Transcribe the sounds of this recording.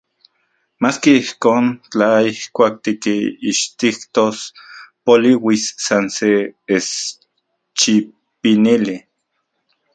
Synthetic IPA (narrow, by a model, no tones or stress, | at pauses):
maːskiihkoːnt͡ɬaihkʷaːk̚t̪ikiːʃt̪ikt̪ospoliwisːansees | t͡ʃi | pinili